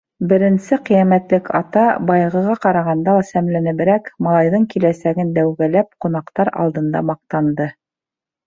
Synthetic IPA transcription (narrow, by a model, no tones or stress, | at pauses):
bɘ̆ɾɘ̆nsɘqɤjæmæt̪lɘkʰɑ̰t̪ɑbɑjʁɤ̆ʁɑqɑɾɑʁɑnd̪ɑlˠɑsæmlænɘ̆βɘ̆ɾækmɑlˠɑjðɤɴkilæsæɡɘnd̪æwɡælæp̚qunɑqt̪ɑɾɑ̰lˠd̪ɤ̆nd̪ɑ̰mɑq̚t̪ɑnd̪ɤ